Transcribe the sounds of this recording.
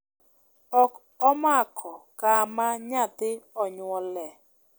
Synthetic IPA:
ɔk | ɔmakʰɔkamaɲat̪ɪɔɲwɔlɛ

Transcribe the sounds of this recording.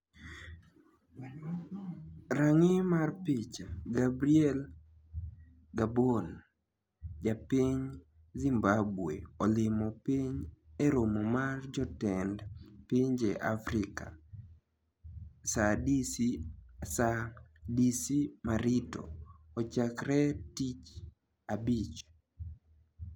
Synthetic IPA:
ɾaŋɪmarpit͡ʃaɡabɾiɛl | ɡabon | d͡ʒapiɲ | zimbabweɔlɪmɔpiɲeɾomomard͡ʒɔtɛndpiɲd͡ʒeʔa̰fɾɪka̰ | sadisisadisimaɾɪtɔ̰ɔt͡ʃakɾɛtit͡ʃ | abit͡ʃ

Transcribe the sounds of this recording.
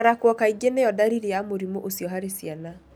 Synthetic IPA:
ɾakwɔkaiɡenejɔdaɾiɾijamoɾimoʔosijɔɦaɾesjana

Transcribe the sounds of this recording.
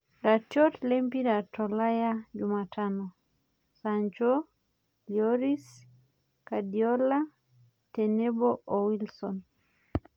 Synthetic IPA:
ɾatɔtlɛmpiɾatɔlajad͡ʒumatʰanɔ | saɲd͡ʒo | ljɔɾis | kadiɔla | tenebɔowilsɔn

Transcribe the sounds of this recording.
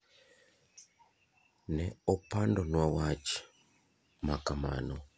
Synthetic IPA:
nɛopandonwawat͡ʃi̥ | makama̰no

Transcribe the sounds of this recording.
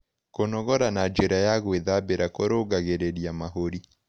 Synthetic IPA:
konɔɣɔɾanad͡ʒeɾajaɣweðabeɾakoɾoɡaɣeɾeɾiamaɦoɾi

